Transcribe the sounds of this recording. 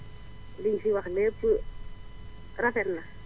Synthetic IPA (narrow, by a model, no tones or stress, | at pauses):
lɪisiwaχleːt͡su | rafɛn̩ːna